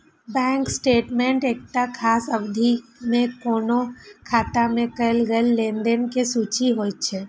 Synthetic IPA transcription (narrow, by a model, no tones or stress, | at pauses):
bɛ̃ːŋksʈeːʈmẽɳʈeːk̚t̪akʰaːsɐbd̪ʱimẽkoːnokʰaːt̪amẽkəlɡəlːeːnd̪enkesuːt͡ʃiɦoːt͡ʃʰɛ